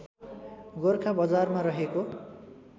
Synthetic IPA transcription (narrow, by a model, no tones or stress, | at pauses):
ɡorkʰabʌd͡zarmaɾʌɦeko